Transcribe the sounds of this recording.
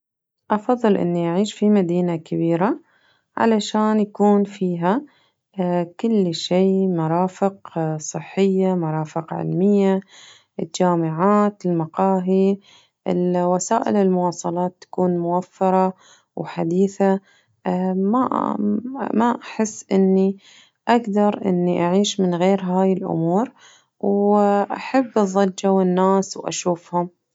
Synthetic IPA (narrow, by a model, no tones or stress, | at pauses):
ʔɑfɑðˤːɨlʔɪ̰nːiʔaʕiːʃfimad̪iːnakabiːɾa | ʕa̰laʃaːnjakuːnfiːɦa | kʊlːʃiːmɑɾˤɑːfɪqsˤɨħːɪjːamɑɾˤɑːfɪqʕɪ̰lmɪjːa | ʔɪld͡ʒaːmɪʕaːt̪ɪlmɑqɑːɦi | ɪ̰lwasaːʔɪ̰lɪlmʊwɑːsˤɑlɑːt̪ːḁkuːnmʊwafːɑɾˤɑ | wħad̪iːθa | ma | maʔaħɪsːʔɪnːi | ʔaɡd̪ɑɾˤʔɪ̰nːiʔaʕiːʃmɪnɣeːɾɦaːjɪlʔʊ̰muːɾ | wʔaħabːʔɑðˤɑd͡ʒːawɪnːaːswʔa̰ʃuːfhʊm